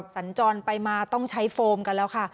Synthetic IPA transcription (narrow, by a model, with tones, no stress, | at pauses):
sa˩˦nt͡ɕɔː˧npa˧jmaː˧t̪ɔ˥˩ŋt͡ɕʰa˦˥jfoː˧mka˧nlɛː˦˥wkʰa˥˩